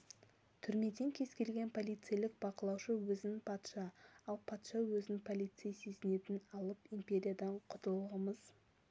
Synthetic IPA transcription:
t̪ʰʏɾme̞d̪e̞ŋkʲʰe̞zkʲe̞lɡʲe̞npʰo̞lˠijt̪sɨjlɪk̚b̥ɑqəlˠɑwʃəwɵzɪnɪpʰɑt̪ʃɑɑlˠpʰɑt̪ʃɑwɵzɪpʰolʲˠijt̪sɨjse̞zɪne̞t̪ɪnɑlˠəpimpʲe̞ɾʲijad̪ɑɴqʰʊt̪əlˠʁəməz

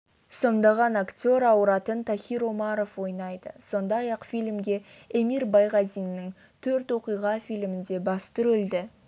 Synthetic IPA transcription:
so̞nd̪ɑʁɑnakt̪ʲo̞ɾɑwɾɑt̪ənt̪ʰaχʲiɾo̞mɑɾo̞fwo̞jnɑjd̪ə̰so̞nd̪ɑjɑqfijlɪmɡʲe̞emiɾbɑjʁɑzijnːɪŋ | t̪ʰɵɾt̪wo̞qijʁɑfijlɪmɪnd̪e̞bɑst̪ʏɾʏld̪ɪ

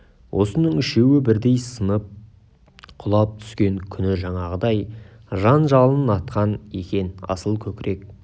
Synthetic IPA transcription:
wʔo̞sənəɴɪʃe̞wɪbɪɾd̪e̞jsənəp̚ | qʰʊlˠɑp̚t̪ʰʏ̥skʲe̞ŋkʲʰʏnɪʒɑɴɑʁəd̪ɑj | ʒɑnʒɑlˠnənɑt̪qʰɑne̞̰kʲe̞nɑ̰səlˠkʲʰɵkʲɪɾe̞k

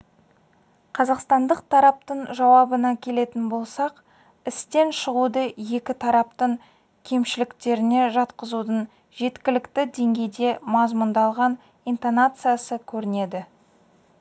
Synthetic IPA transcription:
qʰɑzɑqst̪ɑnd̪əq̚t̪ʰɑɾɑp̚t̪əɴʒɑwɑbənɑkʲʰe̞le̞t̪ɪnbo̞lˠsɑq | ɪst̪e̞nʃəʁud̪əje̞kʲɪt̪ʰɑɾɑpt̪əɴ | kʲʰe̞mʃɪlɪkt̪e̞ɾɪne̞ʒɑt̪qəzud̪əɴ | ʒe̞t̪kʲɪlɪkt̪ɪd̪e̞ŋɡʲe̞jd̪e̞mɑzmʊnd̪ɑlˠʁɑn | ijnt̪onat̪sɨjasəkʲʰɵɾɪne̞d̪ɪ

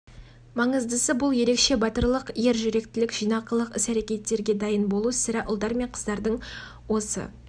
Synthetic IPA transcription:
mɑɴəzd̪əsəbʊlˠje̞ɾe̞kʃe̞bɑt̪əɾlˠəqje̞ɾʒʏɾe̞k̚t̪ɪlɪkʒ̥ijnɑqəlˠəqɪsæɾe̞kʲe̞t̪ːe̞ɾɡʲe̞d̪ɑjənbo̞lˠusɪɾɪʔʊlˠd̪ɑɾme̞ɴqʰə̥zd̪ɑɾd̪əɴ | wo̞sə̰

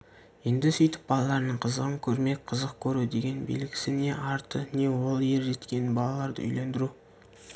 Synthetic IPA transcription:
je̞nd̪ɪsʏjt̪ɪ̥p̚bɑlˠɑlˠɑɾənəɴqʰəzəʁəŋkʲʰɵɾme̞k̚ʲqʰəzəq̚kʲʰɵɾud̪e̞ɡʲe̞nbḭlɪɡʲɪ̥sɪne̞ʔɑɾt̪əne̞wo̞lˠje̞ɾʒe̞t̪kʲe̞nɪbɑlˠɑlˠɑɾd̪ə̰ʏ̰jle̞nd̪ɪɾu

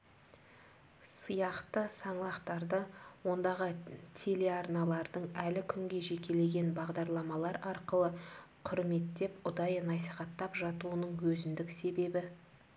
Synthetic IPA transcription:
səjɑqt̪əsɑɴlˠɑqt̪ɑɾd̪əwo̞nd̪ɑʁət̪ʲʰe̞le̞ɑɾnɑlˠɑɾd̪əɴælɪkʲʰʏŋɡʲe̞ʒe̞kʲe̞le̞ɡʲe̞nbɑʁd̪ɑɾlˠɑmɑlˠɑɾɑɾqəlˠəqʰʊɾme̞t̪ːe̞pʊd̪ɑjnɑsiχɑt̪ːɑpʒɑt̪uənəɴwɵzɪnd̪ɪkse̞be̞bɪ

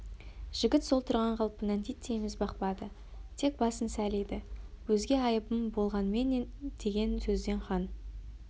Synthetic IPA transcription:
ʒ̥ɪɡʲɪt̪so̞lˠt̪ʰʊɾʁɑɴqʰɑlˠpːənænt̪ʰijt̪ʰːejmɪzbɑqpɑd̪ə | t̪ʰe̞k̚bɑsənsælejd̪ɪwɵzɡʲe̞ɑjəpəmbo̞lˠʁɑnmend̪̥e̞ɡʲe̞nsɵzd̪e̞ɴχɑn

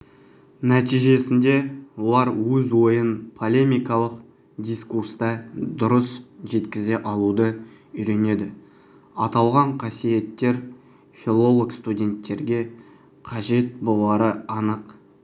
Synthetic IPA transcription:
næt̪ijʒe̞sɪnd̪e̞wolˠɑɾwɵzwo̞jənpʰo̞lʲe̞mijkɑlˠəq | d̪ijskuɾst̪ɑd̪ʊɾəsʒe̞t̪kʲɪze̞ʔɑlˠud̪ə | ʏɾe̞ne̞d̪ɪ | ɑt̪ɑlˠʁɑɴqʰɑsije̞t̪ːe̞ɾ | fʲilˠo̞lˠoɡkst̪udʲe̞nt̪ːe̞ɾɡʲe̞ | qʰɑʒe̞t̪̚bolˠɑɾəɑnəq

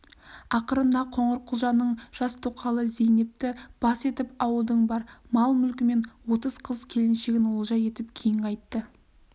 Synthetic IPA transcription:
ɑqəɾənd̪ɑqʰoɴəɾqʰʊlˠʒɑnːəɴʒ̥ɑst̪ʰoqʰɑlˠəze̞jne̞p̚t̪ɪb̥ɑse̞t̪ɪpɑwəlˠd̪əɴbɑɾmɑlˠmʏlkʲɪme̞nwo̞t̪əz̥qʰəz̥kʲʰe̞lɪnʃe̞ɡʲɪnwo̞lˠʒɑje̞t̪ɪp̚kʲʰejɪŋɑjt̪ːə

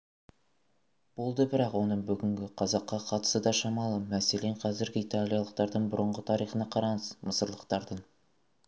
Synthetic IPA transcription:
b̥o̞lˠd̪əbɪɾɑqwo̞nəɴbʏɡʲɪŋɡʲɪqʰɑzɑqːɑqʰɑt̪ə̥səd̪ɑʃɑmɑlˠəmæse̞le̞ɴqʰɑzɪɾɡʲɪit̪alʲˠijɑlˠəq̚t̪ɑɾd̪əɴbʊɾəɴʁət̪ʰɑɾijχənɑqʰɑɾɑɴəzməsəɾlˠəqt̪ɑɾd̪əɴ

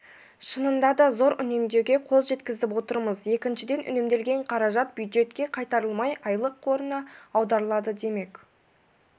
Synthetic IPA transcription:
ʃənənd̪ɑd̪ɑzo̞ɾʏ̰ne̞md̪e̞ɾɡʲe̞qʰo̞lˠʒe̞t̪kʲɪzɪpwo̞t̪əɾməzje̞kʲɪnʃɪd̪e̞nʔʏ̰nemd̪e̞lɡʲe̞ɴqʰɑɾɑʒɑt̪̚b̥jujd̪ʒe̞t̪kʲe̞qʰɑjt̪ɑɾəlˠmɑjɑjlˠəqʰːo̞ɾənɑɑwd̪ɑɾəlˠɑd̪əd̪e̞me̞kʲ

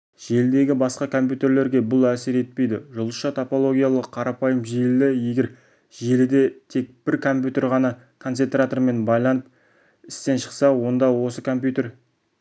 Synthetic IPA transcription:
ʒ̥e̞ld̪e̞ɡʲɪbɑsqɑkʰo̞mpʲjut̪e̞ɾle̞ɾɡʲe̞bʊlˠæsɪɾe̞t̪̚pe̞jd̪ɪʒolˠəsʃɑt̪ʰopo̞lˠo̞ɡʲijɑlˠəqʰːɑɾɑpɑjəmʒellɪje̞ɡʲe̞ɾ | ʒelɪd̪e̞t̪ʰe̞k̚b̥ɪɾkʰo̞mpʲjut̪e̞ɾʁɑnɑ | kʰo̞nse̞nt̪rat̪o̞ɾme̞nbɑjlˠɑnəp̚ | ɪst̪e̞nʃə̥qsɑwo̞nd̪ɑwo̞səkʰo̞mpjut̪e̞ɾ

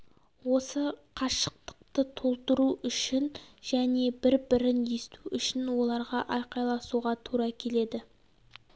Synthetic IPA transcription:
wo̞səqʰɑʃə̥q̚t̪ə̥q̚t̪ət̪ʰo̞lˠt̪əɾuʔʏʃɪnʒ̥æne̞bɪɾbɪɾɪnje̞st̪uʔʏʃɪnwo̞lˠɑɾʁɑʔɑjqɑjlˠɑsuʁɑt̪ʰuɾɑkʲʰe̞le̞d̪ɪ

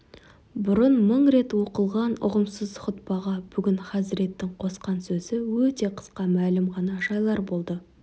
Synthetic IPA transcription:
bʊɾənməɴɾe̞t̪wo̞qəlˠʁɑnʊ̰ʁəmsəzχʊt̪̚pɑʁɑbʏɡʲɪnχɑzɪɾe̞t̪ːɪŋqʰo̞sqɑnsɵzɪwɵt̪e̞qʰə̥sqɑmælɪmʁɑnɑʒɑjlˠɑɾbo̞lˠd̪ə

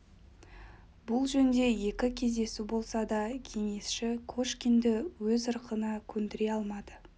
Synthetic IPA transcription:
bʊlˠʒɵnd̪e̞je̞kʲɪkʲʰe̞zd̪e̞subo̞lˠsɑd̪ɑkʲʰe̞ŋe̞sʃɪkʰoʃkʲind̪ɪwɵzəɾqʰənɑkʲʰɵnd̪ɪɾe̞ɑlˠmɑd̪̥ə

